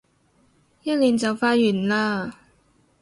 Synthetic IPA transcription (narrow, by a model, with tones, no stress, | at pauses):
jɐ˥t̚liː˨˩nt͡sɐ˨wfaː˧˥t̚jyː˨˩nlaː˧